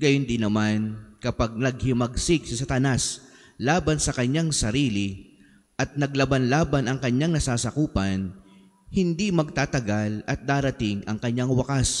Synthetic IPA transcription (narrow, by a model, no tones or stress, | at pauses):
ɡɐjond̪ɪnːɐmankɐpaɡ̚nɐɡ̚hɪmɐɡsɪk̚sɐsɐt̪ɐnas | laːbɐnsɐkɐɲːaŋsɐɾiːlɪ | ʔɐt̪̚nɐɡlɐbanlaːbɐnɐŋkɐɲːaŋnɐsaːsɐkuːpɐn | hɪnd̪imɐɡ̚t̪aːt̪ɐɡalɐt̪̚d̪aːɾɐt̪ɪŋʔɐŋkɐɲːaŋwɐkas